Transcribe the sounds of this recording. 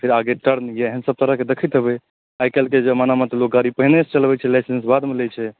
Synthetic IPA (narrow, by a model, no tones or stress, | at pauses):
pʰiɾaɡeʈəɾnjeəɦənsəb̚t̪əɾəɦked̪ekʰit̪ɦəbɛ | ajkɛlked͡ʒemanamət̪lok̚ɡaɾipəɦnest͡ʃəlbɛt͡ʃʰɛlajsensbad̪melɛt͡ʃʰɛ